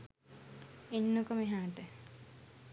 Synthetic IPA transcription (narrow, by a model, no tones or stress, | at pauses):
enːukəmeɦaːʈə